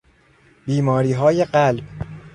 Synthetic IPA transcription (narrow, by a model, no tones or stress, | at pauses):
biːmɒːɾiːɦɒːjeɢælb